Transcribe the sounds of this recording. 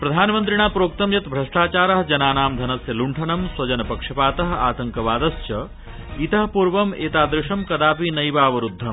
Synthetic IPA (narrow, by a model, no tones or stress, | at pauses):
pɾɐd̪ʱaːnɐmɐnt̪ɾiɳ̃aːpɾoːk̚t̪ɐmjɐt̪bʱɾɐʂʈaːt͡ʃaːɾɐɦd͡ʒɐnaːnaːmd̪ʱɐnɐsjɐluɳʈʰɐnɐmswɐd͡ʒɐnɐpɐkʂɐpaːt̪ɐɦa̰ːt̪ɐŋkɐʋaːd̪ɐst͡ʃɐ | it̪ɐɦɐpuːɾʋɐmeːt̪aːd̪ɾɪʂɐmkɐd̪aːpinɐjʋaːʋɐɾud̪ʱːɐm